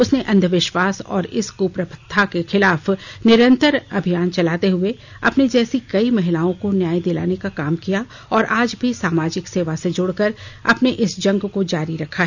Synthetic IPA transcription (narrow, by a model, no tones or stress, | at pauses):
ʊsneʔɐ̃nd̪ʱəʋɪʃʋaːsɔ̰ːɾɪskuːpɾəpʰə̥t̪ʰːakexɪlaːfnɪɾə̃nt̪əɾɐbʱijaːnt͡ʃɐlaːt̪eɦʊe | ɐpned͡ʒɛːsikɐimɐɦɪlaːõkonjaːid̪ɪla̰ːnekakaːmkija | ɔːɾʔaːd͡ʒbʱisaːmaːd͡ʒɪkseːʋased͡ʒʊɽkəɾɐpneʔɪsd͡ʒɐ̃ŋɡkod͡ʒaːɾiɾɐkʰːaɦɛ